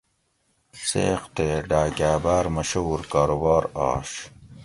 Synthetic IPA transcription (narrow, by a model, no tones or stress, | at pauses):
sḛːqt̪eɖaːɡaːbaːɾmɐɕouɾkaːɾobɑːɾɑ̰ːɕ